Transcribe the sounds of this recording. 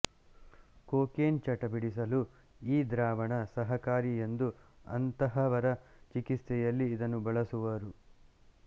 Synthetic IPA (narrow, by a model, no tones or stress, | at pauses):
koːkeːnt͡ʃɐʈɐbiɽisɐlu | iːd̪ɾaːʋɐɳɐsɐɦɐkaːɾie̞nd̪uɐ̰nt̪ɐɦɐʋɐɾɐt͡ʃikist̪ɛjɐlːiːd̪ɐnːubɐɭɐsuʋɐɾu